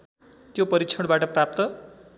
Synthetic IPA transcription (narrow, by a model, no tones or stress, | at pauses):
t̪jopʌɾikt͡sʰʌɽ̃baʈʌprap̚t̪ʌ